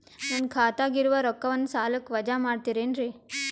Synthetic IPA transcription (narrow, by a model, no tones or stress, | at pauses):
naːnkʰaːt̪aːɡiɾuʋɐɾɔkːɐʋɐnːusaːlɐkːʋɐd͡ʒaːmaːɖt̪iːɾeːnɾi